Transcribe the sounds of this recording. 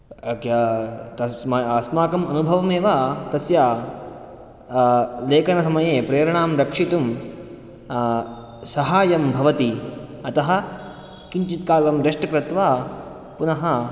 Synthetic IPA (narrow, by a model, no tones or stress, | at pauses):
kjat̪ɐmɐɐsmaːkɐmɐnubʱɐʋɐmeːʋaːkɐsjaː | leːkɐnɐsɐmɐjeːpɾeːɾɐɳaːmɾɐkʂit̪um | sɐɦaːjɐmbʱɐʋɐt̪iɐt̪ɐɦɐ̆ | kiɲt͡ʃit̪̚kaːlɐmɾeʂʈɐkɾɐt̪ʋaː | punɐɦɐ